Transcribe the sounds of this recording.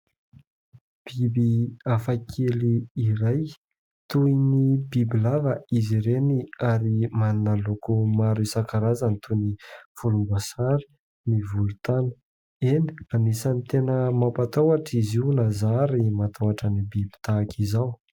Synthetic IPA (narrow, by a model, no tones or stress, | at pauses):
b̥ibiafakʰeliːɾaj | t̪uinibibilavəiziɾeniaɾimanunəlokumaɾisakaɾazanit̪ʰuinifulumbasaɾi̥ | nivulut̪anə | eni̥anisanit̪enəmapat̪awaʈ͡ʂiziunazaɾimat̪ʰawaʈ͡ʂənibibi̥t̪akʰizaw